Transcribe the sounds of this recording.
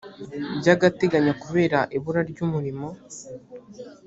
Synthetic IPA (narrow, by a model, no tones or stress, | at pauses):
ɟaɡate̞ɡaɲakuβe̞ːɾaʔiβuɾaɾɟuːmuɾimo̞